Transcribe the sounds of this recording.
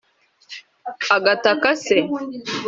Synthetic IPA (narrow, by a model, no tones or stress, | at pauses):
aɡatakase